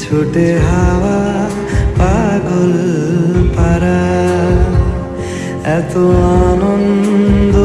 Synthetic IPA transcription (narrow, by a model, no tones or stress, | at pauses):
t͡ʃʰuʈeɦaʋa | paɡol | paɾa | ɛt̪oanɔnd̪o